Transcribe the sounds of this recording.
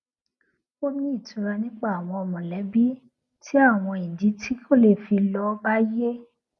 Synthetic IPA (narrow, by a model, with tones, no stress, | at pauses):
o˦nĩ˦i˦˨tũ˨˧˦ɾa˧nĩ˦k͡pa˦˨a˨w̃ɔ̃˧ɔ˧mɔ̃˨lɛ˨˦bi˦ | tʰi˦a˦˨w̃ɔ̃˧ĩ˨di˨˦tʰi˦kʰo˦˨le˦˨fi˧lɔ˧˦ba˦je˦